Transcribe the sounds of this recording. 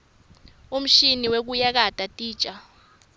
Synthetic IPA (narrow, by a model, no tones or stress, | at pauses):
um̩ʃiniwek̬ujak̬atʼatʼi̥ːt͡ʃʼa